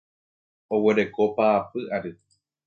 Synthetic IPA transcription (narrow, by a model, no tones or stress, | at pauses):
o̞we̞ɾe̞ko̞paːpɨʔaɾɨ